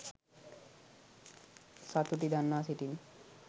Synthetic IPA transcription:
sat̪ut̪id̪ʱanːasiʈin

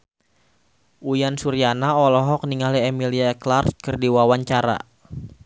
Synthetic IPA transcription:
ʔujansuɾianaɔlɔɦɔk̚niŋaliɛmiliaɛklarkərdiwawaɲt͡ʃaɾa̰

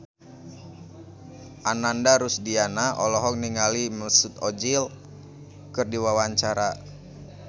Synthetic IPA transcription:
ʔanandaɾusdianaɔlɔɦɔk̚niŋaliməsut̪ɔd͡ʒil | kərdiwawaɲt͡ʃaɾa

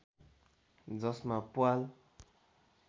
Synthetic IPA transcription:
d͡zɔsmapwal

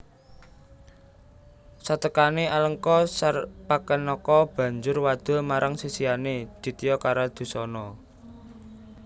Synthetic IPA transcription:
sat̪əkanealəŋkɔsarpakənɔkɔb̥ä̤ɲd͡ʒʊrwad̪̥ɔ̤maɾʔaŋsisianed̪̥i̤t̪ijɔkaɾad̪̥ṳsɔnɔ

